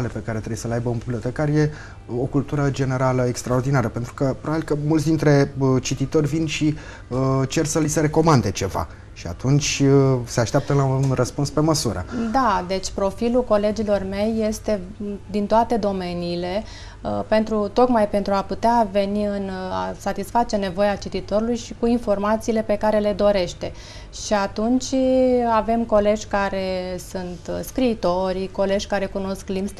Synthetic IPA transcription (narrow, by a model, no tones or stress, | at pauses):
le̞pe̞kaɾe̞t̪ɾejesəleajbəumbiblio̞t̪e̞kaɾje̞ | o̞kult̪uɾəd͡ʒe̞ne̞ɾaləekst̪ɾaord̪inaɾəpent̪ɾukəpɾobabilkəmult̪sd̪int̪ɾe̞ət͡ʃit̪it̪o̞rʲvinʃi | ət͡ʃe̞rsəliseɾe̞ko̞mand̪e̞t͡ʃe̞va̰ | ʃia̰t̪unt͡ʃʲse̞aʃt̪ap̚t̪əlaunrəspunspe̞məsuɾə̰d̪ad̪e̞t͡ʃʲpɾo̞filuko̞le̞d͡ʒilo̞rme̞jːe̞st̪e̞d̪int̪oat̪e̞d̪o̞me̞niːle̞ | pe̞nt̪ɾut̪o̞kmajpe̞nt̪ɾuaput̪eave̞niɨna̰sat̪isfat͡ʃe̞ne̞vo̞jat͡ʃit̪it̪o̞ɾulujʃikuinfo̞rmat̪siːle̞pe̞kaɾe̞le̞d̪o̞ɾe̞ʃt̪e̞ | ʃiat̪unt͡ʃʲave̞mko̞le̞ʒʲkaɾe̞sunt̪skɾiːt̪o̞ɾʲiko̞le̞ʒʲkaɾe̞kuno̞sklims